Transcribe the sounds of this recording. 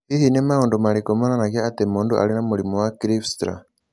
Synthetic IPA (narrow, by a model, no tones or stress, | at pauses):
ihinemaondumalikomananakaatemuːnduʔa̰linamulimuwakiɾifstɾa̰